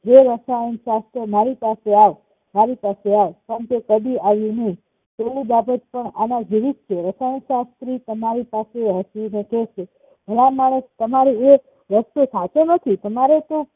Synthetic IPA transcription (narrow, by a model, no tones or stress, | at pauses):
d͡ʒeɾəsajənʃast̪ɾəmaɾipaseaʋ | maɾipaseaʋpəɾəɳkekəd̪iaʋjũnəĩ | t̪elĩbabət̪pəɳanad͡ʒiʋit̪̚t͡ʃʰeɾəsajənʃast̪ɾit̪əmaɾipaseɦəsineket͡ʃʰe | mʱəɽamaɭəst̪əmaɾie | ʋəst̪osʰat͡ʃonət̪ʰit̪əmaɾet̪o